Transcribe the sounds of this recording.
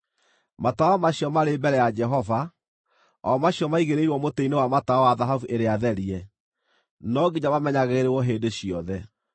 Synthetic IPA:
mataamaɕjɔmaɾebɛɾɛjad͡ʒɛɦɔva | ɔmaɕiɔmaiɣeɾeiɾwɔmoteinewamataɔwaðaɦavuʔeɾeaðɛɾiɛ | nɔɡiɲaβamɛɲaɣeɣeɾewɔɦendeɕiɔðɛ

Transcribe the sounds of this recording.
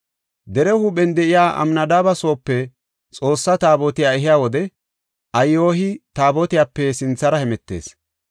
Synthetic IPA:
d̪ɛɾɛhuːɓɛnd̪ɛʔɪjaːʔɐ̰mnɐd̪aːbɐso̞ːpːɛ | t͡sʼo̞ːsːɐt̪aːbɔt̪ɪjaːɛɦɪjaːwɔd̪ɛ | ʔɐjːoːɦɪt̪aːbɔt̪ɪjaːpːɛsɪnt͡sːɐɾɐhɛmɛt̪ːe̞̰ːs

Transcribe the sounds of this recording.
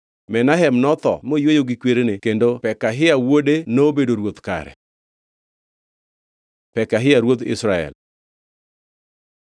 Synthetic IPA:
mɛnaɦɛmnɔt̪ɔ̰mojwojoɡikweɾenekendopɛkaɦɪawodenobedoɾwot̪ka̰ɾɛ̰ | pɛkaɦɪaɾwot̪ɪ̰sɾaɛ̰l

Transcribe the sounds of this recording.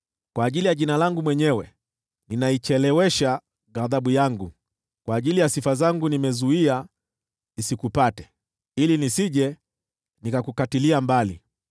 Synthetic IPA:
kwaːʄilijaʄinalaŋɡumwɛɲɛwɛ | ninait͡ʃɛlɛwɛʃa | ɣaðaɓujaŋɡu | kwaːʄilijasifazaŋɡunimɛzuia | isikupatɛ̥ | ilinisiʄɛ | nikakukatiliambalḭ

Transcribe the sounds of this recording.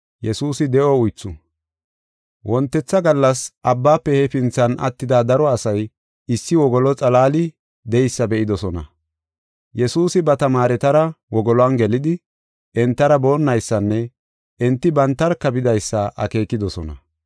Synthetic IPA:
jɛsuːsɪd̪ɛʔɔʊjt͡sːʊ | wʔɔnt̪ːɛt͡sːɐɡɐlːɐsʔɐbːaːpːɛhɛfɪnt͡sːɐnɐ̰t̪ːɪd̪aːd̪ɐɾɔɐsɐj | ɪsːɪwɔɡɔlɔt͡sʼɐlaːlɪ | d̪ɛjsːɐbɛʔɪd̪ɔsɔnɐ̰ | jɛsuːsɪbɐt̪ɐmaːɾɛt̪ɐɾɐwɔɡɔlɔɐnɡɛlɪd̪ɪ | ʔɛnt̪ːɐɾɐbo̞ːnːɐjsːɐnːɛ | ʔɛnt̪ːɪbɐnt̪ːɐɾkɐbɪd̪ɐjsːɐʔɐ̰ke̞ːkːɪd̪ɔsɔ̰nɐ̰

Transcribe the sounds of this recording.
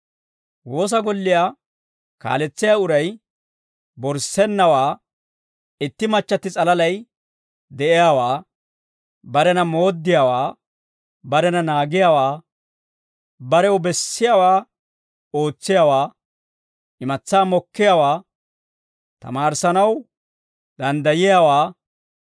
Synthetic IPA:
wo̞ːs̬ɐɡɔlːɪja | ka̰ːlɛt͡sːɪjaʊɾɐj | bɔɾsɛnːɐwaː | ɪt̪ːɪmɐt͡ʃːɐt̪ːɪt͡sʼɐlɐlɐj | d̪ɛʔɪjaːwaː | bɐɾɛnɐmo̞ːd̪ːɪjaːwaː | bɐɾɛnɐnaːɡɪjaːwaː | bɐɾɛwbɛsːɪjawaː | o̞ːt͡sːɪjaːwaː | ʔɪmɐt͡sːaːmɔkːɪjawaː | t̪ɐ̰maːɾsɐnɐw | d̪ɐnd̪ɐjɪjawaː

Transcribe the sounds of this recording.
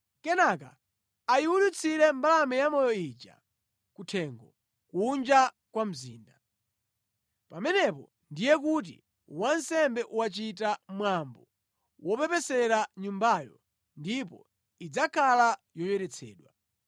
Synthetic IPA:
kɛnaka̰ | ajiwulut͡sʰiɾɛmbalamɛjamɔjɔit͡ʃa̰ | kutʰɛŋɡɔ | kund͡ʒa | kwam̩ziːnda | pamɛnɛp̬ɔ̰ | ndijɛk̬ut̬ḭ | wansɛmbɛʔuwat͡ʃitamwambɔ | wɔpɛpɛsɛɾaɲumbajɔ | ndipɔ̰ | id͡zakʰala | jɔjɛɾɛt͡sʰɛ̰ːɗwa

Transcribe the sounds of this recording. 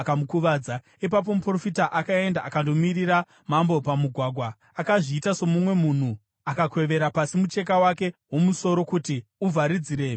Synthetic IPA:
kamukuʋaːd͡za | ip̬ap̬o̞mupro̞fitaʔakae̞ndaʔakando̞mirira | mambo̞pamuɡʱwaɡʱwa | akaʐiːtaso̞mumwe̞mun̤u | akakwe̞ʋe̞ɾapasimut͡ʃe̞k̬awake̞ɦwo̞muso̞ɾo̞kutiuvʱaɾid͡ziɾe̞ː

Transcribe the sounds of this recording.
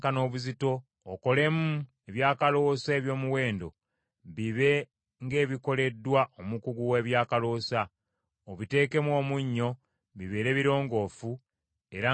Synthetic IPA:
kano̞ːβuzito̞ː | ko̞le̞mu | e̞βjaːkalo̞ːseβjo̞ːmuwe̞ːndo̞̰ | βiβe̞ | ŋɡe̞ːβiko̞le̞dːwaʔomukuɡuwe̞ːβjaːkalo̞ːsa | oβite̞ːke̞mwo̞ːmuɲːo̞ | βiβe̞ːɾe̞ːβiɾo̞ːŋɡo̞ːfu | e̞ɾa

